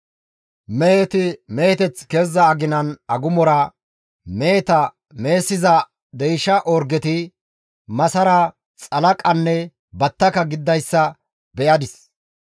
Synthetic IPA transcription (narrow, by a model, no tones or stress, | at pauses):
meːt̪ɪmeːt̪ɛt͡skeːzːɐːɡɪnɐnɐɡʊmɔɾɐ | meːt̪ɐ | me̞ːsːɪzɐ | d̪ɛjʃɐʔɔɾɡɛt̪ɪ | mɐsɐɾɐ | t͡sʼɐlɐkʼɐnːɛ | bɐt̪ːɐkɐɡɪd̪ːɐjsːɐ | bɛʔɐd̪ɪs